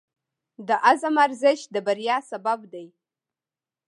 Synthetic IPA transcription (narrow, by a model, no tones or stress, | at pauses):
d̪əʔazamaɾzɪʃd̪əbaɾjɑsababd̪aj